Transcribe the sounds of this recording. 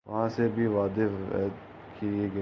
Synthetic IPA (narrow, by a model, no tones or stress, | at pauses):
ʋɐ̰ɦãːsebʱiʋaːd̪ḛ | kʰieɡɐ